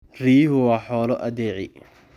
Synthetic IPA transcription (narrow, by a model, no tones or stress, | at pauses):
riːɦʊwɑːħɔːlɔʔɐd̪ɛːʕɪ̰